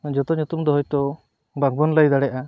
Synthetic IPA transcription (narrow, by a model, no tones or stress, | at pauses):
d͡ʒɔt̪ɔɲut̪umd̪ɔɦɔjt̪ɔ | baɡ̚bɔnlajd̪aɽɛʔa